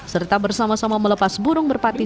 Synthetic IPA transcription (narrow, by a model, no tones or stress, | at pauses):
sərt̪abərsamasamamələpasbuɾʊŋbərpat̪i